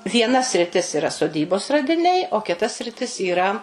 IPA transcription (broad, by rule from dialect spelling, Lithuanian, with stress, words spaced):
ʋʲiɛˈnɐ sʲrʲɪˈtʲɪs ɪˈrɐ soːˈdʲiːboːs rɐdʲɪˈnʲɛɪ oː kʲɪˈtɐ sʲrʲɪˈtʲɪs iːˈrɐ